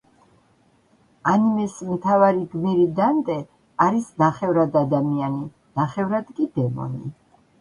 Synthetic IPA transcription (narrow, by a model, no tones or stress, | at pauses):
animɛsmt̪ʰavaɾiɡmiɾid̪ant̪ʼɛ | aɾisnaχɛvɾad̪ad̪amiani | naχɛvɾad̪kʼid̪̥ɛmɔ̰nḭ